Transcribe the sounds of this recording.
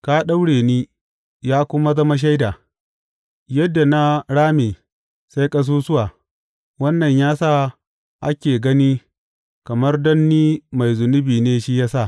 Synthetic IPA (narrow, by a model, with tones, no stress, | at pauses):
kaː˦ɗa˦wɽeː˨niː˦ | jaː˦kʷʊ˦ma˦zɐ˦ma˦ʃ̬a˦jdaː˨ | jɐ˦dːa˨na˦ɽaː˦meː˨ | sa˦jkʼɐ˦s̬uː˦sʊ˦waː˨ | wɐ˦nːɐ˨ɲjaː˦sa˦˨ | ʔa˦kʲeː˨ɡɐ˦ni˦ | kɐ˨mɐ˦rdɔ˦nːiː˦ma˨jzʊ˨nʊ˦biː˨neː˦ʃi˦jaː˦sa˦˨ʔ